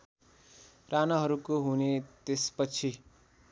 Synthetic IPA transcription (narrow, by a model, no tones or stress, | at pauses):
ɾʔanaɦʌɾukoɦunet̪espʌt͡sʰi